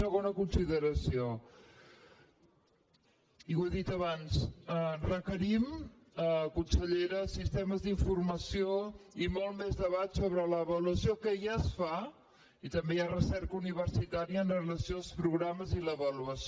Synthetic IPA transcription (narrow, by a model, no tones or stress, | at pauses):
əɣonəkunsiðəɾəsio | iweðit̪əβansərəkəɾim | əkunsəʎeɾəsist̪eməzðiɱfurməsioimolˠmezðəβat̪soβ̞ɾələːβəluəsiokəʒasfa | it̪əmbearəsɛrkuniβ̞əɾsit̪aɾiəːnrələsioəlˠspɾuɣɾaməziləβəluəs